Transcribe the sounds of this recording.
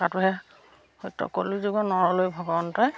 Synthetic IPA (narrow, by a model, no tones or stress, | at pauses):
atʊɦɛ | hojtɔ̰kolizuɡɔnɔɹɔlojbʱɔɡɔɔntɔj